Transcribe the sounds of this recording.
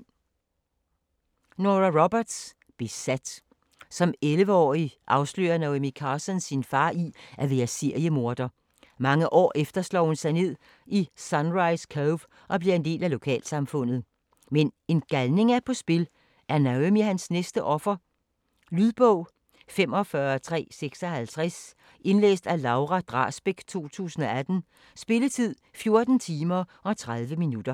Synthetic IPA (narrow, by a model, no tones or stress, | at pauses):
noʁɐʁɔb̥ɐd̥s | b̥esæd̥ | sɒ̽melʋəɒ̰ːiʔɑ̈ʊslø̰ːɐnoʊemikʰɑ̈ːsɒnsinfɑ̈ːʔiʔæʋeːɐseɐ̰jəmo̝ɐd̥ɐ | mɑ̈ŋəʔɒ̰ːʔefd̥ɐslɒ̰ːhunsɑ̈ɪne̝ð̞̰ˠ | isɑnʁɑ̈ɪskʰoʋ | ʔɒ̽b̥liɐe̝nd̥e̝̰ːlælo̝kʰɛ̰ːlsɑ̈mfɔ̽n̰ð̞̩ˠ | mene̝nɡ̥ælne̝ŋæpʰɒ̽sb̥e̝l | ʔæɐnæømiɦænsnesd̥əʔɒ̽fɐ | lyðˠb̥ɔʊ̰ | fem̰ɒ̽fɶɐt͡sʰʁɛ̰ːseɡ̥sɒhælt͡sʰʁɛs | ʔe̝nlḛːsd̥ælɑ̈ʊʁæd̥ʁɑ̰̈ːsb̥eɡ̥t͡sʰo̝̰ːt͡sʰṵːsn̩ɒ̽æd̥n̩ | sb̥e̝lət͡sʰið̞̰ˠfjo̝ɐd̥n̩t͡sʰiːmɐɒ̽t͡sʰʁað̞ˠʋəminud̥ɐ